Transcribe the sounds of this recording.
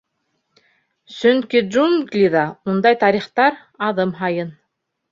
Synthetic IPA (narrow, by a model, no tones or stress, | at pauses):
sɵŋkiʒunɡlʲiðɑund̪ɑjt̪ɑɾiχt̪ɑɾ | ɑðɤmɦɑjɤn